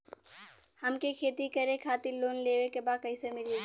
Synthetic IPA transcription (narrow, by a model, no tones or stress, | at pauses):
hɐmkekʰeːt̪ikɐɾẽkʰaːt̪iɾloːnleːʋekebaːd̪̚kɐĩsemɪlie